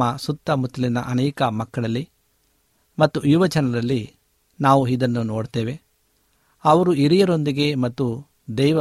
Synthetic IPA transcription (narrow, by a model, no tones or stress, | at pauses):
ɐsut̪ːɐmut̪ɐlinɐ̰ʔɐnɛːkɐmɐkːɐɭɐlːi | mɐt̪ːuiʋɐd͡ʒɐnɐɾɐlːi | naːʋuid̪ɐnːuno̞ːɽt̪eːʋe̞ | ɐʋɐɾuiɾijɐɾo̞nd̪iɡe̞mɐt̪ːu | d̪ɛjʋɐ